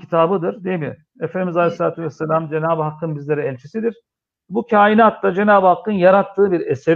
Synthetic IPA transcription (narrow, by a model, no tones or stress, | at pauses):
it̪ʰaːbɯd̪ɯɾd̪ejmḭ | efend̪imizalʲeslʲaːt̪ʰuvɛsːelʲamd͡ʒe̞naːbɯɦakːɯnbizlʲeɾiɛlʲt͡ʃʰisid̪iɾ̥ | bucʰaːinaːt̪ːad͡ʒe̞naːbɯhakːɯnjaɾat̪ʰːɯːbiɾese